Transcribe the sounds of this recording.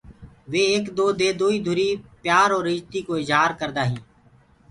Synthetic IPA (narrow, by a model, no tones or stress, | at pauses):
ʋeːeːkd̪oːd̪eːd̪uːiːd̪ʱʊɾiːpjaːɾoːɾɪd͡ʒt̪iːkoːɪzɦaːɾkəɾd̪aːɦĩː